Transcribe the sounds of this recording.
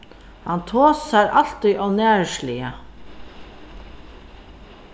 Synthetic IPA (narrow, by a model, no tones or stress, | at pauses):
hɑnt̪ʰoːsæɾʔɑl̥t̪ɪʔɔːnæːɹʃliːə